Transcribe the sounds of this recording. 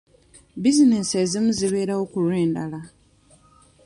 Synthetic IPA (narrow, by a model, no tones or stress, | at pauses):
bizine̞seːzimuziβe̞ːɾaokulweːndala